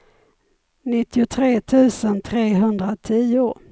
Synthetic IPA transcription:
nɪt̪ːɪʊt̪ʰɾeːt̪ʰʉ̟ːsənt̪ʰɾeːɦɵnd̪ɾat̪ʰiːʊ

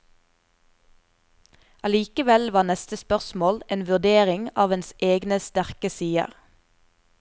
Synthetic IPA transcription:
ʔɑliːkəʋɛlʋɑːnɛst̪əspœʁsmoːlʔeːnʋʉd̪eːʁɪŋɑːʋɛnsʔeːɡnəst̪æʁkəsiːə̰ʁ

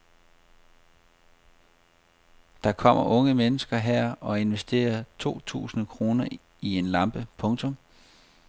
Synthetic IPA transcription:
d̥ɑ̈kʰɒ̽m̰ɐʔɔ̽ŋəmenəsɡ̥ɐɦæɐ̰ɒ̽e̝nʋesd̥e̝̰ːɐt͡sʰo̝̰ːt͡sʰṵːsn̩kʰʁo̝ːnɐ | ie̝nlɑ̈mb̥əpʰɔ̽ŋt͡sʰɔ̽m

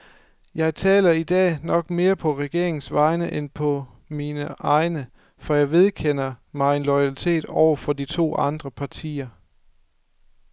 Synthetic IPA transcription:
jɑ̈ɪt͡sʰɛ̰ːlɐid̥ɛ̰ːnɒ̽ɡ̥me̝ːɐpʰɒ̽ʁɛɡ̥e̝ɐ̰eŋn̩sʋɑ̈ɪnəʔenpʰɒ̽ | minəʔɑ̈ɪnə | fɒjɑ̈ɪʋe̝ð̞ˠkʰen̰ɐmɑ̈ɪe̝nlɒ̽ɪælit͡sʰe̝̰ːd̥ɒʊɐfɒ̽d̥it͡sʰo̝̰ːɑ̈nd̥ʁɐpʰɑ̈t͡sʰḭːɐ

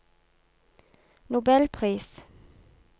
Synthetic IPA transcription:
nʊbɛlpʰʁiːs

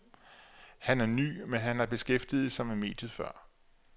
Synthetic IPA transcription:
hænæɐny̰ːmenɦænæɐb̥e̝sɡ̥efd̥ið̞̩ˠsɒ̽mæme̝̰ːd̥jð̩ˠfɶɐ̰

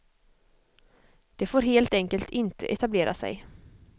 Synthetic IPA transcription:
d̪̥ɛfoːɾɦeːlt̪ɛŋkəlt̪ʰɪnt̪ʰə̰ʔɛt̪ableːɾʔa̰sɛ̰j

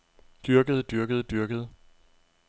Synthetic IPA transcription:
d̥yɐɡ̥əð̞ˠd̥yɐɡ̥əð̞̩ˠd̥yɐɡ̥əð̞̩ˠ

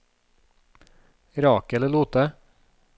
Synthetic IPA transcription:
ɾɑːkəɛləluːt̪ə

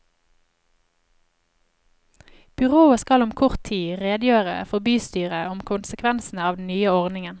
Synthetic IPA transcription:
b̥ʏʁoːəskɑlʊmkʰʊʁt̪ʰiːʁeːd̪jøːʁə̰fɔbyːst̪yːʁəʊmkʰʊnsəkʰʋɛnsn̩əɑːʋd̪n̩nyːəɔʁdnɪŋən

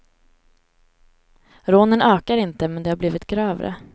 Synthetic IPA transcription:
ɾoːnənœːkaɾɪnt̪əmɛnd̪ɛhaɾbliːvɪt̪ɡɾœːva̰ɾə̰

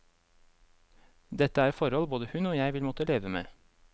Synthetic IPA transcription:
d̪ɛt̪əæːɾfɔɾɔlboːd̪əhʉnoːjæɪʋɪlmɔt̪əleːʋəmḛː

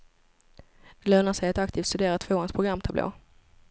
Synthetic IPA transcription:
d̪̥ɛløːnaʂɛjat̪ak̚t̪ʰiːft̪st̪ɵd̪eːɾat̪ʰv̥oːanspʰɾʊɡɾamːt̪ʰablʔo̰ː

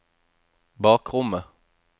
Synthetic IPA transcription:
bɑːkʁʊmə

